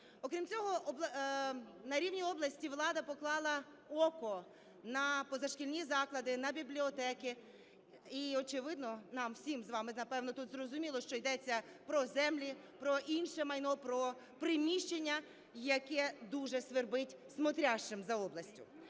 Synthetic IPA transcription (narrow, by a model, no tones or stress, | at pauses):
ɔkɾʲimt͡sʲɔɦɔɔb | nɐɾʲiwnʲiɔblˠɐsʲtʲiʋlˠɑd̪ɐpɔklˠɑlˠɐ | ɔkɔ | nɐpɔzɐʃkʲilʲnʲizɑklˠɐd̪ɪnɐbʲiblʲiɔt̪ɛkɪ | iɔt͡ʃɪʋɪd̪nɔnɑmwsʲimzʋɑmɪnɐpɛwnɔt̪ut̪zrɔzʊmʲilˠɔʃt͡ʃɔjd̪ɛt͡sʲːɐ | pɾɔzɛmlʲi | pɾɔʔinʃɛmɐjnɔpɾɔ | pɾɪmʲiʃt͡ʃenʲːɐ | jɐkɛd̪uʒɛsʋerbɪtʲsmɔt̪ɾʲaʃt͡ʃɪmzɐɔblˠɐsʲtʲʊ